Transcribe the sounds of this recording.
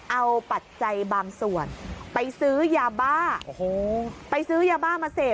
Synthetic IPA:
ʔa˧wpa˨˩t̪̚t͡ɕa˧jbaː˧ŋsu˨˩ənpa˧jsɯː˦˥jaː˧baː˥˩o˧hoː˧˩pa˧jsɯː˦˥jaː˧baː˥˩maː˧seː˨˩

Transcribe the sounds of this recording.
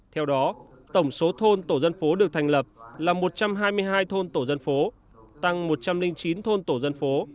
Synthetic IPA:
t̪ʰɛ˧wɗɔ˨˦ | t̪ə˧˩wŋ͡mso˨˦t̪ʰo˧nt̪o˧˩zə˧nfo˨˦ɗɨ˨˩ək̚t̪ʰa˨˩ŋlə˨˩p̚laː˨˩mo˨˩t̚t͡ɕa˧mɦaː˧jmɨ˧əjɦaː˧jt̪ʰo˧nt̪o˧˩zə˧nfo˨˦ | t̪a˧ŋmo˨˩t̚t͡ɕa˧mlï˧ŋt͡ɕi˨˦nt̪ʰo˧nt̪o˧˩zə˧nfo˨˦

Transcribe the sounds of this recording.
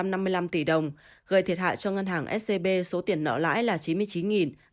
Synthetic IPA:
mna˧mːɨ˧əjla˧mt̪i˧˩ɗə˨˩wŋ͡m | ɣəː˨˩jt̪ʰi˨˩ət̚ha̰ː˧˨jt͡ɕɔ˧ŋə˧nɦaː˨˩ŋʔɛ˦˥t̚se˧ɓe˧so˨˦t̪i˨˧˩ənːə̰˧˥la̰ː˧˥jlaː˨˩t͡ɕi˨˦nmɨ˧əjt͡ɕi˨˦nŋi˨˩n

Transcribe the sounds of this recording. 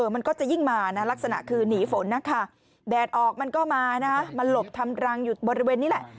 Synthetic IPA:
ʔɤː˨˩ma˧nkɔː˥˩t͡ɕa˨˩ji˥˩ŋmaː˧na˦˥la˦˥k̚sa˧na̰˨˩ʔkʰɯː˧niː˩˦fo˩˦nːa˦˥kʰa˥˩ | dɛː˨˩t̪̚ʔɔː˨˩k̚ma˧nkɔː˥˩maː˧na˦˥kʰa˦˥ma˧nlo˨˩p̚t̪ʰa˧mɾa˧ŋjuː˨˩bɔ˧ɾi˧weː˧nːiː˦˥lɛ˨˩ʔ

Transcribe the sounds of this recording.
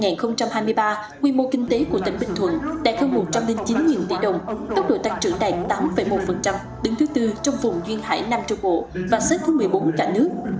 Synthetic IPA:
ŋaː˨˩nxə˧wŋ͡mt͡ɕa˧mhaː˧jmɨ˧əjɓaː˧ | ŋwḭ˧˨mo˧kï˧ŋ̟t̪e˨˦ku˧˩ət̪ï˧˩ŋ̟ɓï˨˩t̪ʰwə̰˧˨nɗa̰ː˧˨jxə˧wmo˨˩t̚t͡ɕa˧mlï˧ŋt͡ɕi˨˦nɲḭ˨˩nt̪ḭ˧˩ɗə˨˩wŋ͡mt̪ə˦˥k͡p̚ɗo̰˧˨t̪a˨˥k̚t͡ɕɨ̰˧˩əŋɗa̰ː˨˩t̚t̪aː˨˦mfə˧˩jmo˨˦˥t̚fə˨˩nt͡ɕa˧m | ɗɨ˨˦ŋt̪ʰɨ˨˦t̪ɨ˧t͡ɕwŋ͡mvʊ˨˩ŋ͡mzwi˧ənha̰ː˧˩jna˧mt͡ɕɔ˧wŋ͡mɓo̰˧˨vaː˨˩se˦˥t̚t̪ʰɨ˨˦mɨ˨˩əjɓo˨˦nkaː˧˩nɨ˦˥ək̚

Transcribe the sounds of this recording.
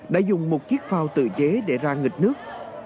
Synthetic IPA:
ɗa̰ː˧˥zʊ˨˩ŋ͡mmo˨˩t̚ki˦˥ək̚faː˧wt̪ɨ̰˧˩t͡ɕe˨˦ɗe˧˩zaː˧ŋï˨˩k̚nɨ˦˥ək̚

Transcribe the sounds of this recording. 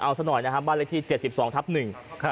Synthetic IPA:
ʔa˧wsa˦˥nɔ˨˩jna˦˥kʰa˦˥baː˥˩lkt̪ʰiː˥˩t͡ɕe˨˩t̪̚si˨˩p̚sɔː˩˦ŋt̪ʰa˦˥p̚nɯ˨˩ŋkʰ

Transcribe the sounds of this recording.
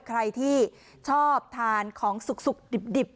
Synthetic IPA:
kʰɾa˧jt̪ʰiː˥˩ | t͡ɕʰɔː˥˩p̚t̪ʰaː˧nkʰɔː˩˦ŋsu˨˩k̚su˨˩k̚di˨˩p̚di˨˩p̚

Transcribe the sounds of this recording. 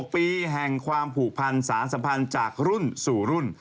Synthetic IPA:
k̚piː˧ɦɛ˨˩ŋkʰwaː˧mpʰuː˨˩k̚pʰa˧nsaː˩˦ns̬a˧pʰa˧nt͡ɕaː˨˩k̚ɾu˥˩nsuː˨˩ɾu˥˩n

